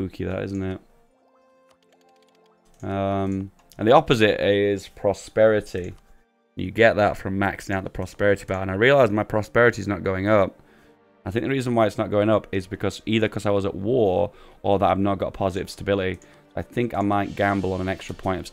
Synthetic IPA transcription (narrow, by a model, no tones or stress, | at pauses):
ʉkʰiðə̰tɪ̰zn̩tɪt̚ | ʌ̃m | ə̃nðiɑpɨzɪtɪz̥pʰɹ̥ɑspɛɹɨɾĩ | njɨ̰ɡɛʔ̪̚ðətfɹʌ̃mːæksɪ̃ŋaʊt̪̚ðəpʰɹ̥ɑspɛɹɨɾib̥ətə̃naɪɹiəlˠaɪzmaɪpʰɹ̥ɑspɛɹɨɾiɨznət̚ɡ̥oʊɪ̃ŋʌp̚ | aɪθɪ̃ŋk̚ðəɹizə̃n̩waɪɨtsnət̚ɡ̥oʊɪ̃ŋʌpɪzbɨkʰʌz̥iðə˞kʰʌzaɪwʌzə̰ʔwɔɹʔə˞ðəɾa̰ɪvnət̚ɡ̥ɑ̰t̚pʰɑzɨɾɨ̰v̥stəbɪlˠəɾi | aɪθɪ̃ŋka̰ɪmaɪt̚ɡ̥æ̃mbl̩ˠə̃nə̃nɛkstɹ̥əpʰɔ̃ɪ̃ntʌ̥v̥s